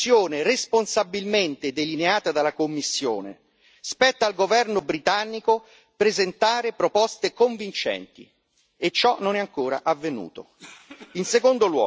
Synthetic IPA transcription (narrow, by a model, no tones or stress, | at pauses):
joːneresponsabːilment̪ed̪elineaːt̪ad̪alakomːisːjo̰ːnḛ | spɛt̪ːaːlɡovɛrnobɾit̪anːiko | pɾezent̪aːɾepɾopɔst̪ekoɱvint͡ʃɛ̰nt̪ḭ | et͡ʃːɔnonɛaŋkoːɾa̰ʔavːenṵːt̪o | insekond̪olwɔ̰ː